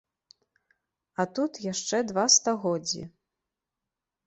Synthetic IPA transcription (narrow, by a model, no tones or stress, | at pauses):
ɐt̪ut̪jaʂt͡ʂɛd̪vast̪aɣɔd͡zʲːḭ